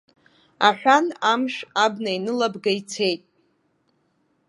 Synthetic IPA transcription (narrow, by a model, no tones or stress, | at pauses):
aħʷᶣanamʂabnainɨlabɡait͡sʰe̞jtʼ